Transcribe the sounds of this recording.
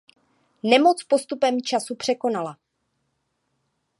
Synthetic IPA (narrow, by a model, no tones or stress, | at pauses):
nɛmo̞t͡spo̞st̪upɛmt͡ʃasupr̝̥ɛko̞nala